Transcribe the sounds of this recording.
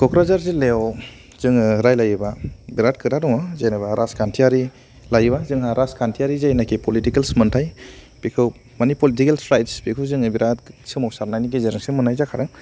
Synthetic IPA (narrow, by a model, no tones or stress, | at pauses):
kɔkɾazaɾzilew | z̥ɯŋɾajlajbabiɾat̚kʰɯɾadɔŋɔzajnabaɾʔaskantʰiaɾi | lajbazɯŋɦaɾaskantʰijaɾizajnakipɔlitikelsmɯntʰaj | b̥ikʰɯw | manipɔlit̬ikelsɾajtsbikʰɯzɯŋɯbiɾatsɯmɔwsaɾnajniɡ̬izɯɾŋsɯmɯnajzakʰaɾɯŋ